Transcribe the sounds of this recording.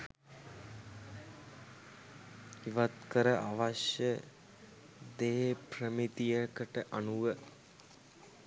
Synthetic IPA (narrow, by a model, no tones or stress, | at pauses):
iʋat̪kəɾəʔaʋaʃjə | d̪eːpɾəmit̪ijəkəʈəʔanuʋə